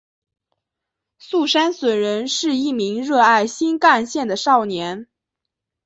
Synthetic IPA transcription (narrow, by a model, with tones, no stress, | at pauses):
su˥˩ʂa˥nswə˨˩nɻə˧˥nʂɻ̩˥˧i˥˩mi˧˥ŋɻɤ˥˧a˥˩ɪɕi˥nka˥˧nɕjɛ˥˩nd̪ə˩ʂɑ˥˩ʊnjɛ˧˥n